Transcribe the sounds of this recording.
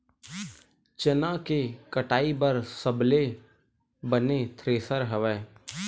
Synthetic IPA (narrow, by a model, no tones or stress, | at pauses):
t͡ʃənãkekəʈaːibəɾsəble | bənet̪ʰɾeːsəɾɦəʋɛː